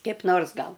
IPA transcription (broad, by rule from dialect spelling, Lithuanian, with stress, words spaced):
kʲɛɪp ˈnoːrs ˈɡɐlˠ